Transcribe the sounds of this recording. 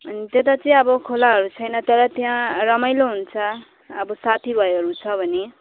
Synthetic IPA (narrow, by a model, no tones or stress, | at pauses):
ʌnit̪et̪ʌt͡sʌĩʌbʌkʰolaɦʌɾut͡sʰʌjnʌt̪ʌɾʌt̪jãrʌmajloɦunt͡sʰʌː | bʌsat̪ʰibʱʌeɦʌɾut͡sʰʌbʱʌne